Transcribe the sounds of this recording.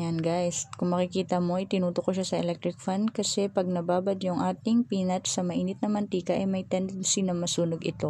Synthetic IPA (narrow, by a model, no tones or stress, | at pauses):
janɡajskʊŋmɐkɪkiːt̪ɐmo̞ʔɐjt̪ɪnuːt̪okoʃasɐʔɛlɛk̚t̪ɾɪk̚fand̪kɐsɛpɐɡ̚nɐbaːbɐd̪jʊŋʔaːt̪ɪŋpiːnɐt̪sɐmɐʔiːnɪt̪̚nɐmɐnt̪iːkɐʔɐjmɐjt̪ɛnd̪sinɐŋmɐsuːnoɡʔɪt̪o̞